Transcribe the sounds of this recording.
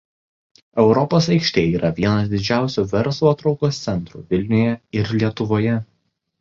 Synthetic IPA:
ɛʊɾɔpoːsɐɪkʃʲt̪ʲeːiːɾʔɐʋʲiɛnɐs̬d̪ʲɪd͡ʒʲæˑʊsʲuːʋʲɛɾˑslˠuɐt̪ɾɒʊkost̪sʲɛnt̪ɾṵːʋʲɪlʲnʲʊjɛɪɾlʲiɛt̪ʊʋoːjɛ

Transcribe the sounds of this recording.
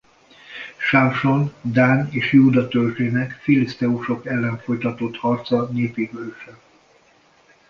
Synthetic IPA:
ʃamʃo̞nd̪aːneːʃjuːd̪ɒt̪ølʒeːnɛkfilist̪ɛuʃo̞kɛlːɛɱfo̞jt̪ɒt̪o̞t̪hɒrt̪sɒneːpiɡøʃɛ

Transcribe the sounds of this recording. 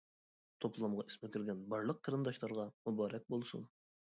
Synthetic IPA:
t̪ʰoplˠɑmʁɑi̥smekʲyɾɡʲɛnbɑɾlˠəq̚ʰːɑɾɨnd̪ɑʃlˠɑɾʁɑmubɑːɾɛk̚ʲbolˠsṵn

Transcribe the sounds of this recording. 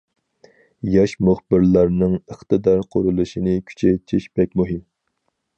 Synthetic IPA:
jɑʃmuχb̥ɪɾlˠɑɾnɨŋəχt̪ɨd̪ɑɾqʰoɾulˠɨʃinɨkʲʰy̥t͡ʃʰɛjt̪ʰiʃb̥ɛk̚ʲmuɦɪm

